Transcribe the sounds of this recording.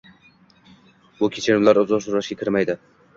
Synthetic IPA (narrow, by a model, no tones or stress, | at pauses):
bʊkʲʰet͡ʃʰɪɾɪmlaɾʊzɒsʊɾaʃɡʲakʲʰɪɾmajd̪ɪ